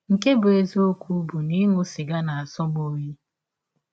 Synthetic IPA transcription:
ŋ̩˨ke˦bʊ˨e˨zo˦kʷu˦bu˨ni˦ŋʊ˦sɪ˨ɡa˦na˨a˨sɔ˦ɡ͡bo˦ɲe˦

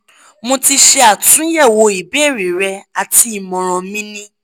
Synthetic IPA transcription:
mõ˧ti˧ʃɛ˧a˨tũ˨˦jɛ˦˨wo˧i˨be˦˨ɾi˨ɾɛ˧a˨ti˧˦i˨mɔ̃˨ɾ̃ɔ̃˨mĩ˦nĩ˦

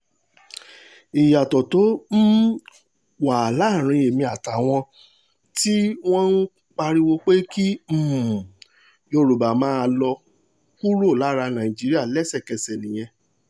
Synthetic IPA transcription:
i˨ja˨tɔ˨to˨˦n̩˦ | wa˨la˨˦˨ɾ̃ĩ˨˧e˨mĩ˧a˨ta˨w̃ɔ̃˧ | ti˦w̃ɔ̃˦n̩˦ | k͡pa˧ɾi˦wo˧k͡pe˦ki˦m̩˦˨ | jo˧ɾu˨ba˨mãː˦˧˦lɔ˧ | ku˦ɾo˦˨la˨˦ɾa˧nã˨i˨d͡ʒi˨˦ɾi˦a˦˨lɛ˦sɛ˦˨kɛ˨sɛ˨nĩ˨j̃ɛ̃˧

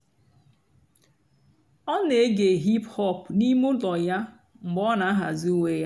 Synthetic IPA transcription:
ɔ˦ne˨˦ɡe˨ɦi˦phɔ˦˨pni˦mʊ˦lɔ˨ja˦ | m̩˨ɡ͡bɔ˦na˨a˦ɦa˨zi˦u˦ŋe˦ja˦

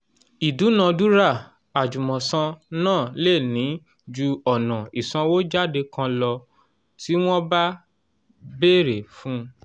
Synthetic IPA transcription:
i˨du˨˦nã˨˧du˦ɾa˦˨ | a˨d͡ʒu˨mɔ̃˨sã˧nãː˦˨le˦˨nĩ˨˦ | d͡ʒu˧ɔ˨nã˨i˨sã˧wo˦d͡ʒa˦de˧kã˧lɔ˧ | ti˦w̃ɔ̃˦ba˦ | be˦˨ɾe˨fũ˦

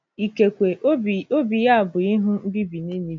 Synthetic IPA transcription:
i˨ke˨kʷe˨˦˨o˦bi˨ja˦a˨bʊ˨i˦ɦʊ˦m̩˦bi˦bi˨ne˦ni˦˨

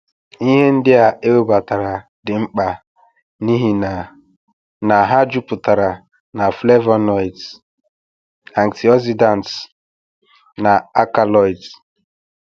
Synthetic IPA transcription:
i˦ɦe˦n̩˦dɪ˦a˨ʔe˦o˦ba˨ta˨ɾa˨dɪ˨ŋ͡m̩˦k͡pa˨ | ni˦ɦi˦n˨ | na˨ɦa˦d͡ʒu˦pʊ˨ta˨ɾa˨ | na˨fle˦va˦nɔ˦i˨t | a˨ŋti˨ɔ˦si˦da˨n˨t | na˨a˦ka˨lɔ˨jt

